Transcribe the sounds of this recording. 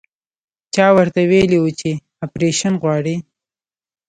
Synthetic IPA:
t͡ʃɑwəɾt̪aweliwut͡ʃe | apɾeʃanɣwɑɽi

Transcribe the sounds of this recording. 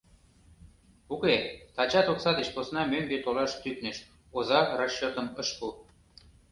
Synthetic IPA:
uket̪ɑt͡ɕɑt̪oksɑd̪eʃposnɑmønbet̪olɑʃt̪yk̪nĕʃ | ozɑrɑʃːot̪ə̆məʃpul

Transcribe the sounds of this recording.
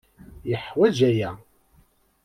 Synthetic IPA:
jəħwæd͡ʒæjæ

